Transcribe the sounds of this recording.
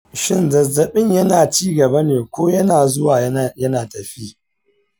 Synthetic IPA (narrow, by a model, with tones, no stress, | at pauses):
ʃɪ˦nzɐ˨zːɐ˨ɓɪ˦ɲjɐ˦naː˨t͡ʃiː˦ɡɐ˨bɐ˦neː˨kʷoː˦jɐ˦naː˨zʊ˦waː˨jjɐ˦naː˨tɐ˨ɸiː˦